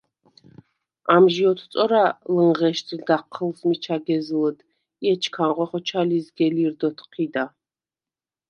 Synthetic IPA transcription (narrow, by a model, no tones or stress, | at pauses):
amʒiɔt̪ʰt̪sʼɔɾaləŋʁɛʃt̪ʰid̪aqʰːəlsmit͡ʃʰaɡɛzləd̪ | iɛt͡ʃʰkʰaŋʁɔχɔt͡ʃʰalisɡɛliɾd̪ɔt̪ʰqʰid̪a